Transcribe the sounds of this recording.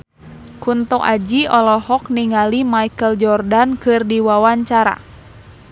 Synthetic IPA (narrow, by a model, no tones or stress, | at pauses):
kunt̪ɔkad͡ʒiɔlɔhɔk̚niŋalimaikəld͡ʒɔrdankɨrdiwawaɲt͡ʃaɾa̰